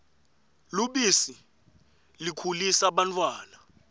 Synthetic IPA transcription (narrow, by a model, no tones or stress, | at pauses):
luɓisi | likʰulisaɓantʰʼwaːna